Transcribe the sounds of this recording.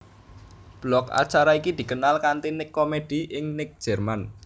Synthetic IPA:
b̥lɔka̰t͡ʃaɾaikid̪̥i̤kənalkant̪inɪkːomed̪̥i̤ʔɪŋnɪk̚d̥ʒ̥ɛ̤rman

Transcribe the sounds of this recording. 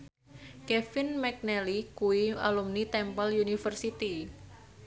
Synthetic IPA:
kɛfɪnmɛk̚nɛlikuia̰lumnit̪ɛmpaljunifərsit̪i

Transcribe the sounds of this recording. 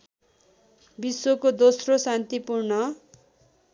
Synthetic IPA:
biswokod̪osrosant̪ipurnʌ

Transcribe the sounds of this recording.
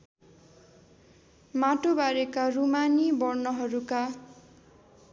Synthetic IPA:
maʈobaɾekarumanibʌrnʌɦʌɾuka

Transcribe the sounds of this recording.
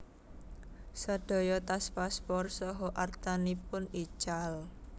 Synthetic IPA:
sad̪̥o̤jɔt̪aspaspɔrsɔɦɔʔart̪anipʊni̥t͡ʃal

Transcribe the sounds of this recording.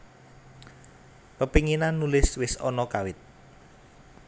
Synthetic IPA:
pəpiŋinanːulɪswɪsɔnɔkawɪt̪̚

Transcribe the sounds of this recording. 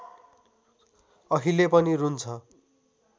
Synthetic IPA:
ʌɦilepʌniɾunt͡sʰʌ

